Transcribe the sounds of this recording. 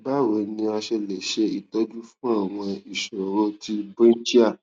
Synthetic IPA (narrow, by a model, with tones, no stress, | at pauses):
ba˦˨wo˨˦nĩ˧a˧ʃɛ˧lɛ˨ʃe˧i˨tɔ˦d͡ʒu˦fũ˦a˦˨w̃ɔ̃˧i˨ʃo˨ɾo˦ti˧bũ˦n˦d͡ʒi˦a˦˨